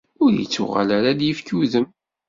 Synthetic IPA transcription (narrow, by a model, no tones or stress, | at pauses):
ʊɾjə̰t͡sːʊ̰ʁa̰læɾad̪jəfkuðəm